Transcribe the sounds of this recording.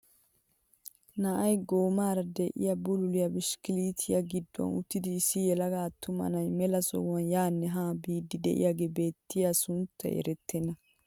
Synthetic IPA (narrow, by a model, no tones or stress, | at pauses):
nɐʔɐjɡoːmaːɾɐd̪ɛʔɪ̰jabʊlʊlɪjɐbɪʃkɪliːt̪ʰɪjɐɡɪd̪ːɔ̰nʊ̰t̪ːɪd̪ɪːsːɪjɛlɐɡaːt̪ːʊmɐ̰nɐjmɛlɐsɔ̰ɐnjaːnːɛɦaːbiːd̪ːɪd̪ɛ̰ʔɪ̰jaɡebe̞ːt̪ʰːɪjasʊnt̪ʰːɛ̰jɛ̰ɾɛt̪ʰːɛnːɐ